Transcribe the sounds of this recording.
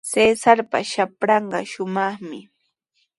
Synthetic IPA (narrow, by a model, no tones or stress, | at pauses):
seːsaɾpa̰ʃapɾɑɴɢɑ̰ʃʊmɑχmɪ